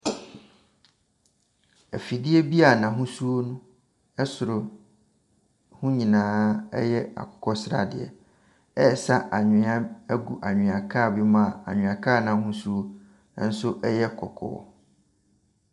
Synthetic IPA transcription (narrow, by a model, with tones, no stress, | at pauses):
æ˨fi˨dɪ˦ɛ˦bi˦a˨nã˨ɦʊ̃˦su˦o˦nʊ̃˦ | ɛ˦sʊ˨ɾʊ˨ | hʊ̃˦ɲĩ˨nãː˨˦ɛ̰˦jɛ˦a̰˨kʰɔ̥˨kʰɔ˦sɾa̰˨dɪ̰˨ɛ̰˨ | ɛ˦˨sa˦ʔa˨ɲᶣɪ̃˨˦ã˦æ˦ɡu˨ʔa˨ɲᶣɪ̃˨a˨kʰa˦˨bɪ˦mã˦a˨a̰˨ɲᶣɪ̃˨a˨kʰaː˦˨nã˨ɦʊ̃˦su˦o˦ | n̩˦sʊ˦ʔɛ˦jɛ˦kʰɔ̰˨kʰɔ̰˦ɔ̰˦˨